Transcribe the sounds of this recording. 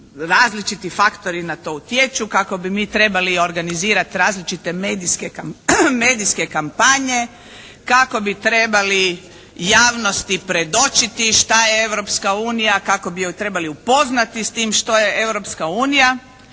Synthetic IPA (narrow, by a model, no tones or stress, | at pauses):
ɾaːzlit͡ʃit̪ifakt̪o̞ɾinat̪o̞ut̪jet͡ʃukako̞bimiːt̪ɾe̞balio̞ɾɡaniziːɾat̪ɾaːzlit͡ʃit̪e̞meːd̪iskekame̞ːd̪iske̞kampaɲe̞ | kako̞bit̪ɾe̞bali | jaːʋno̞st̪ipɾe̞d̪o̞t͡ʃit̪iʃt̪ajeewɾopskauːnijakako̞bit̪ɾe̞baliupo̞znat̪ist̪iːmʃt̪o̞je̞e̞wɾopskauːnija